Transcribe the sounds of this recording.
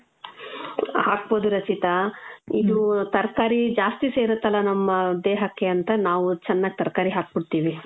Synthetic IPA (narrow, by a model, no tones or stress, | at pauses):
haːk̚boːd̪uɾɐt͡ʃit̪ɐid̪ut̪ɐɾkaːɾid͡ʒaːst̪iseːɾɐt̪ːɐlɐnɐmːɐd̪eːɦɐkːeɐnt̪ɐnaːʋut͡ʃɐnːaːɡet̪ɐɾkaːɾiɦaːk̚biɽt̪iːʋi